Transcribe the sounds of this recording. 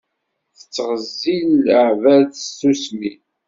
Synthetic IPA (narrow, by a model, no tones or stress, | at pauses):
θə̥t͡sːʁəzːilʕvæðusmi